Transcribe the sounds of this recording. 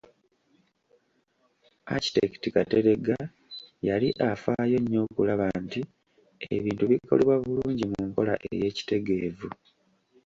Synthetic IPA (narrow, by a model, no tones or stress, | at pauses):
a̰ci̥tektikate̞ɾe̞ɡa | jaliʔafaːjo̞ɲːo̞ːkulaβanti | e̞̰βiːntuβikʰo̞leβwaβuluuːɲɟimuŋkolaʔḛje̞ːci̥te̞ɡe̞ːvu